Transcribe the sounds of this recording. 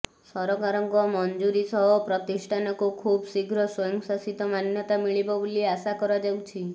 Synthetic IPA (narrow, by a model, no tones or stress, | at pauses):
sɔɾɔkaɾɔŋkɔmɔnd͡ʒuɾisɔɦɔpɾɔt̪isʈʰanɔkukʰubsiɡʱɾɔsɔjɔŋsasit̪ɔmanjɔt̪amiɭibɔbuliasakɔɾad͡ʒawt͡ʃʰi